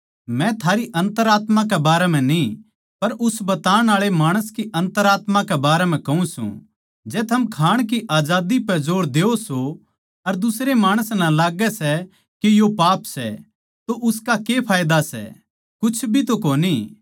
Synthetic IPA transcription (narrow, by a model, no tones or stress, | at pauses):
mɛ̃t̪ʰaːɾiʔɐ̃nt̪əɾaːt̪mãk̬ɛbaːɾɛm̤ɛ̃nĩ | pɐɾʊsbɐt̪aːɽ̃aːɭemaːɽ̃əskiʔɐ̃nt̪əɾaːt̪mãkɛbaːɾɛmɛ̃kɐũsṵ̃ | d͡ʒɛːt̪ʰɐmkʰaːɽ̃kiʔaːd͡ʒaːd̪ipɛd͡ʒoːɾd̪eːoso | ɐɾd̪ʊsɾemaːɽ̃əsnalaːɡɛsɛ | kijopaːpsɛ̰ | t̪oʔʊskakepʰaːjd̪asɛ̰ | kʊt͡ʃʰbʱit̪okoːni